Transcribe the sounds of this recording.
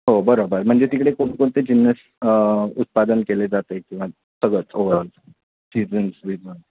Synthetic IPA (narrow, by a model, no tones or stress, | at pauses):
ɦobəɾobəɾm̤əɳd͡zet̪ikɽekoɳkoɳt̪ed͡ʑinːəs | ut̪̚pad̪ənkeled͡zat̪ekĩʋa | səɡɭət͡soʋəɾəl | sid͡zənsʋid͡zən